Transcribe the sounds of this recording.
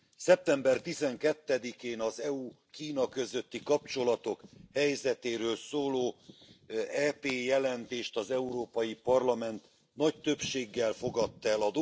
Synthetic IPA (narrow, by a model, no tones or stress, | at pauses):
sɛp̚t̪ɛmbɛrt̪izɛŋkɛt̪ːɛd̪ikeːnɒzɛu | kiːnɒkø̞zø̞t̪ːikɒpt͡ʃo̞lɒt̪o̞khɛjzɛt̪eːɾøːlsoːloː | ɛːpeːjɛlɛnt̪eːʃt̪ɒzɛuɾoːpɒjipɒrlɒmɛnt̪ | nɒct̪ø̞pʃeːɡːɛlfo̞ɡɒt̪ːɛlɒd̪o